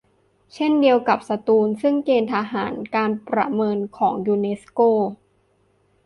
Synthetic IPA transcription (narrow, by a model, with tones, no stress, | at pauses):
t͡ɕʰe˥˩ndi˧əwka˨˩p̚sa˧t̪uː˧nsɯ˥˩ŋkeː˧nt̪ʰa˧ɦaː˩˦nkaː˧npɾa̰˧mɤː˧nkʰɔː˩˦ŋjuː˧ne˦˥skoː˥˩